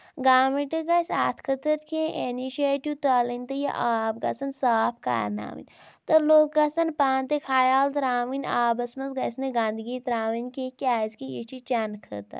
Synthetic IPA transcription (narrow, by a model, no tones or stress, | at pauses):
ɡaːmiʈɨɡɐsʲaːt̪ʰkʰət̪ɐɾkʰẽːʔeniʃeːʈut̪ɐlinʲt̪ɨjɐ̰ʔaːb̚ɡɐ̰sɐnsaːpʰka̰ːɾna̰ːʋḭnʲ | t̪ɐloːk̚ɡɐsɐnpaːnt̪ekʰaːjaːlt̪ɾaːʋinʲaːbɐsmɐnsɡɐsnɨɡãːnd̪ɨɡiːt̪ɾaːʋinkekʲaːzkijit͡ʃʰit͡ʃɐnkʰɨ̰t̪ɐ̰ɾ